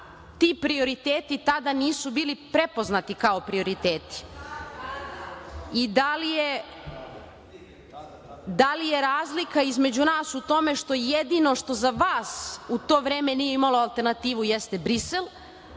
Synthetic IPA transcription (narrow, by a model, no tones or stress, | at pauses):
t̪ipɾio̞ɾit̪eːt̪it̪ad̪aniːsubiːlipɾe̞po̞znat̪ikao̞pɾio̞ɾit̪eːt̪i̥ | id̪alije | d̪alijeɾaːzlikaizme̞d͡ʑunaːsut̪o̞me̞ʃt̪o̞jed̪ino̞ʃt̪o̞zaʋaːsut̪o̞ːʋɾeːme̞nijeimaloalˠt̪e̞ɾnat̪iːʋujɛst̪e̞bɾiselˠ